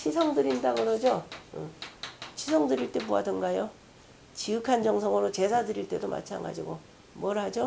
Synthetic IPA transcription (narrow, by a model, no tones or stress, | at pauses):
t͡ɕʰisʰʌŋdɯɾindaɡɯɾʌd͡ʑoɯ̰ | t͡ɕʰisʰʌŋdɯɾiɭt͈e̞boadɯnɡajo | t͡ɕiɯkʰand͡ʑʌŋsʰʌŋɯɾot͡ɕe̞sʰadɯɾiɭt͈e̞domʔa̰t͡ɕʰa̰ŋɡa̰d͡ʑiɡo | mwʌɾhad͡ʑo